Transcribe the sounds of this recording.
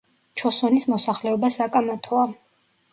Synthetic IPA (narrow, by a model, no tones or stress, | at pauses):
t͡ʃʰɔsɔnismɔsaχlɛɔbasakʼamat̪ʰɔa